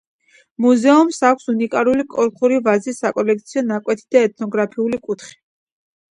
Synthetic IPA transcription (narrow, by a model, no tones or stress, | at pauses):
muzɛumsakʷʰsunikʼaɾulikʼɔɾqʰuɾivazisakʼɔlɛk̚t̪sʰiɔnakʼwɛt̪ʰid̪aɛt̪̚ʰnɔɡɾapʰiulikʼut̪ʰχi̥